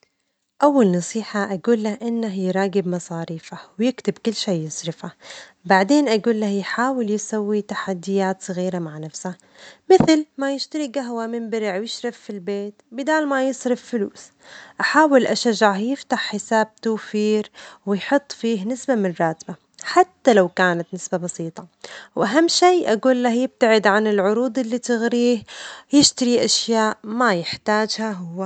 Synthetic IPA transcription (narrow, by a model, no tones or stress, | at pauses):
ʔawːalnɑsˤiːħaʔaɡuːlːahʔɪnːaɦjɾˤɑːɡɪbmɑsˤɑːɾiːfawjɪkt̪ɪbkʊlːʃeːjɪsˤɾɪfabaʕd̪eːnʔaɡuːlːahjħaːwɪljɪsawːit̪aħad̪ːɪjaːt̪sˤɑɣiːɾamaʕnafsha | mɪθlmajɪʃt̪aɾiɡaɦwamɪmbɪɾɪʕwjɪʃɾɑffːilbeːt̪bɪd̪aːlmajɪsˤɾɪffɪluːs | ʔaħaːwɪlʔaʃaʒːaʕjɪft̪aħːɪsaːb̚t̪aːfiːɾwɪjħʊt̪ˤːfiːɦnɪsbamɪnrˤɑːt̪ba | ħat̪ːalawkaːnat̪nɪsbabɑsiːt̪ˤɑwʔaɦamːʃijʔaɡuːlːahjɪb̚t̪aʕɪd̪ʕanɪlʕʊɾuːd̪ˤʔɪlːit̪ɪɣɾiːhjɪʃt̪aɾiʔaʃjaːʔmajɪħt̪aːd͡ʒhaɦʊwːa